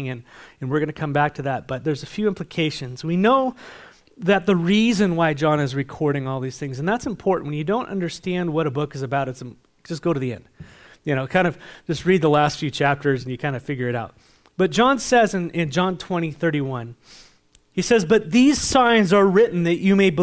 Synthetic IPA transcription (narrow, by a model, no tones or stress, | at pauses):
ŋɨ̃nɨ̃nwɨɹɡʌnɨkʰʌ̃mbæk̚tʰɨðɨt̚b̥ʌt̪̚ðə˞zɨfjʉɪ̃mpʰlɨkʰeɪʃɨ̃nzwinoʊ | ðɨt̪̚ðɨɹizɨ̃nwaɪd͡ʒɑ̃nɨzɹɨkʰɔɹɾɪ̃ŋɔlˠðiz̥θɪ̃ŋzɨ̃n̩ðætsɨ̃mpʰɔɹʔn̩ʔwɨ̃n̩jɨdõʊ̃nʔʌ̰̃ndə˞stæ̃nd̚wʌɾɨbʊkɨzɨbaʊɾɨtsɨ̃m̥ | ʒ̥ʌsɡ̥oʊɾɨðiɛ̰̃nd̥ | jɨñoʊkʰãɪ̃ndʌv̥ʒ̥ʌst̚ɹid̪̚ðəlæstfjʉt͡ʃʰæp̚tʰə˞z̃n̩jɨkʰãɪ̃ndɨfɪɡjə˞ɨɾaʊt̚ | b̥ʌt̚d̥ʒ̥ɑ̃nsɛzɨ̃nʔɪ̃nd͡ʒɑ̃ntʰw̥ɛ̃ɾ̃iθɜ˞ɾiwʌ̃n | isɛzbʌt̪̚ðiz̥sãɪ̃nzə˞ɹɪʔn̩ðɨt͡ʃɨmeɪb